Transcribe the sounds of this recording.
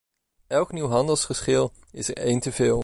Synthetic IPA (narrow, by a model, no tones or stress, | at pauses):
ʔɛlˠkniwɦɑndəlˠsχəɹsχɪlˠ | ɪsə̰ɹejntəvɪːlˠ